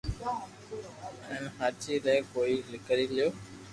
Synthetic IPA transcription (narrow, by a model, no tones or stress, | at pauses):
ɛ̃ːnɦat͡ʃiləɪkoːilɪkəɾilijoː